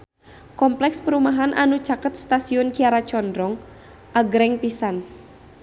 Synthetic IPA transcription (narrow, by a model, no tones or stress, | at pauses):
kɔmplɛkspəɾumaɦanʔa̰nu̥d͡ʒakət̪̚st̪asiʊnkiaɾat͡ʃɔndɾɔŋ | ʔaɡɾɛŋpisan